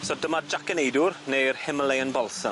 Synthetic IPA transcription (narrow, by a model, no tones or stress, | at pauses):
sɔdəmad͡ʒakənejdʊrnejrhɪməlejənbɔlˠsə